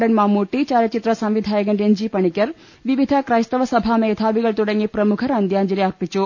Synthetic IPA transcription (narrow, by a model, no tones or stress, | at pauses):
ɖɐnmaːmuːʈːit͡ʃaːɾjɐt͡ʃit̪ɾɐsɐ̃mʋid̪ʱaːjɐɡɐɳɖend͡ʒipɐɳikʲjɐɾ | ʋiʋid̪ʱɐkɾaːjst̪ɐʋɐsɐbʱaːmɛːt̪ʰaːʋiɡɐɭt̪uɽɐŋipɾɐmukʰɐɾaːnd̪jaːnd͡ʒɐleɐɾpit͡ʃu